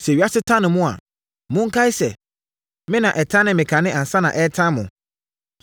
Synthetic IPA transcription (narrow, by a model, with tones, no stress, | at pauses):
sɛ˨ɥi˨˦a˦sɪ˦tʰã˦nɪ̃˨mʊ̃˦a̰˨ | mʊ̃˦ŋ̩˦kʰa˦ɪ˦sɛ˨ | mɪ̃˦nã˨ʔɛ˨tʰã˦nɪ̃˨mɪ̃˨kʰã˨nɪ̃˦ʔã˨n˨sa˦nã̰˨ʔɛ˦tʰã˦mʊ̰̃˨